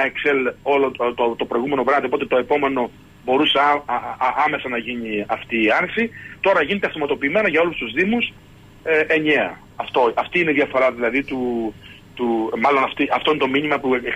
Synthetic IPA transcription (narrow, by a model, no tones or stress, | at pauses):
ɐekselo̞lt̪ot̪opɾo̞iɣume̞novɾɐðiopo̞t̪e̞t̪o̞e̞po̞me̞no̞ | bo̞ɾuse | ɐme̞sɐnɐʝiɲiɐft̪iːɐɾsit̪o̞ɾɐʝinet̪ɐfomɐt̪o̞piːme̞nɐʝɐo̞lust̪uzðimus | eʔeɲeɐ | ɐft̪o̞ɐft̪iineðiɐfo̞ɾɐðilɐðit̪u | t̪umɐlo̞nɐft̪iʔɐft̪o̞inet̪o̞miɲimɐpu